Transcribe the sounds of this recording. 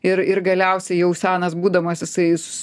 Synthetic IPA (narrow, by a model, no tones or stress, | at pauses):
ɪɾɪɾɡɐlʲɛʊsʲɛɪjɛʊsʲæːnɐsbuːd̪ɐmosjɪsɐɪsʊ̥